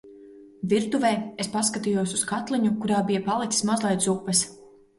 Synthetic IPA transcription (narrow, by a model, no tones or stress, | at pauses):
viɾt̪uvɛːespaskat̪ijuɔsuskat̪lˠiɲukuɾaːbijɐpalˠit̪sismazlˠɛjt̪supːɛs